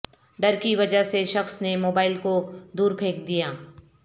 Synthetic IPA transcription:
ɖɐɾkiʋɐd͡ʒəɦseʃɐxsnemoːbaːɪlkod̪uːɾpʰeːkd̪ijaː

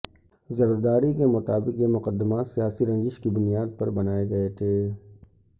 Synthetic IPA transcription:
zɐɾd̪aːɾikemʊt̪aːbɪqjemʊqəd̪ːəmasijaːsiɾɐ̃nd͡ʒɪʃkibʊnijaːd̪̚pɐɾbɐnaːeɡɐet̪ʰeː

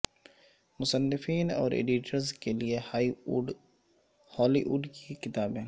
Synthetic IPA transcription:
mʊsənːɪfiːnɔ̰ːɾḛːɖiʈəɾzkeliehaiɖ | hɔːliʔuɖkikɪt̪aːbɦɛ̃ː

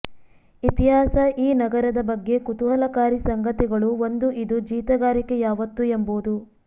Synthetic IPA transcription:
it̪iɦaːsɐʔiːnɐɡɐɾɐd̪ɐbɐɡːe̞kut̪uɦɐlɐkaːɾisɐŋɡɐt̪iɡɐɭuo̞nd̪uʔid̪ud͡ʒiːt̪ɐɡaːɾike̞jaːʋɐt̪ːuemboːd̪u

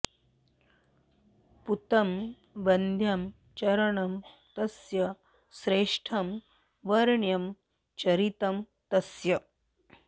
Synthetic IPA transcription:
put̪ɐm | ʋɐnd̪ʱjɐm | t͡ʃɐɾɐɳɐm | t̪ɐsjɐ | sɾeːʂʈʰɐm | ʋɐɾɳjɐm | t͡ʃɐɾit̪ɐm | t̪ɐsjɐ

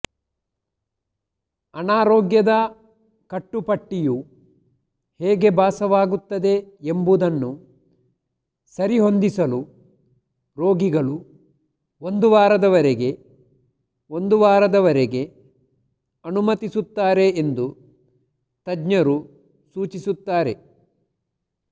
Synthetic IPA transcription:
ɐnaːɾɔːɡjɐd̪ɐ | kɐʈːupɐʈːiju | heːɡe̞baːsɐʋaːɡut̪ːɐd̪e̞embud̪ɐnːu | sɐɾiɦo̞nd̪isɐlu | ɾo̞ːɡiɡɐɭu | o̞nd̪uʋaːɾɐd̪ɐʋɐɾeɡe̞ | o̞nd̪uʋaːɾɐd̪ɐʋɐɾeɡe̞ | ɐnumɐt̪isut̪ːaːɾe̞ːnd̪u | t̪ɐɡɲɐɾu | suːt͡ʃisut̪ːaːɾe̞̰

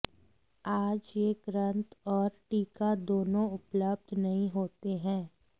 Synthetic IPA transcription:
aːd͡ʒjeɡɾə̃nt̪ɔːɾʈiːkad̪oːnõʊpləb̚d̪ʱnɐɦĩɦoːt̪eɦɛ̃ː

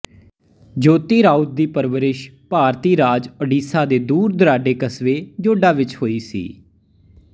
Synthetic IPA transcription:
d͡ʒoːt̪iːɾaːut̪̚d̪iːpəɾʋəɾɪʃpaːɾt̪iːɾaːd͡ʒəɖiːsaːd̪eːd̪uːɾd̪əɾaːɖeːkəsʋeːd͡ʒoːɖaːʋɪt͡ʃhoːiːsḭː

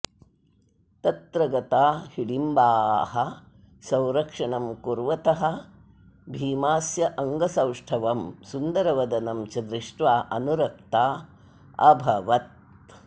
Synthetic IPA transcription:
t̪ɐt̪ɾɐɡɐt̪aːhiɽimbaːhɐ | sɐ̃w̃ɾɐkʂɐɳɐmkuɾʋɐt̪ɐɦɐ̆ | bʱiːmaːsjɐʔɐŋɡɐsɐwʂʈʰɐʋɐmsund̪ɐɾɐʋɐd̪ɐnɐmt͡ʃɐd̪ɾiʂʈʋaːʔɐnuɾɐk̚t̪aː | ɐbʱɐʋɐt̪̚

